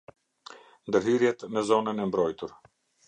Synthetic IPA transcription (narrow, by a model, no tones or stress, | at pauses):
nd̪əɾɦyɾjɛt̪mɛzɔnənɛmbɾɔjt̪uɾ